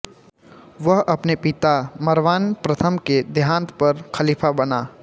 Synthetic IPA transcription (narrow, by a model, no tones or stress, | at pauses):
ʋəɦɐpnepɪt̪aməɾʋaːnpɾət̪ʰəmked̪jãːnt̪pəɾkʰəliːpʰabənaː